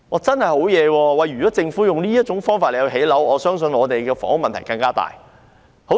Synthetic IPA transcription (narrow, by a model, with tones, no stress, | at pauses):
ʔɔː˨˥t͡sɐ˥nhɐ˨jho˨˥wjɛː˨˧wɔː˧wɐ˨jɥyː˨˩kɔː˨˥t͡sɪ˧ŋfuː˨˥jʊ˨ŋliː˥jɐ˥t̚t͡ʃʊ˨˥ŋfɔː˥ŋfaː˨tle˨jːɦe˨˥jlɐ˨˥wɔː˨˧sœː˥ŋs̬ɵ˧nɔː˨˧t̪e˨jkɛː˧fɔ̰ː˨˥ŋ˥ŋmɐ˨nt̪ʰjkɐ˧ŋkaː˥t̪a̰ː˨˩j | ho˨˥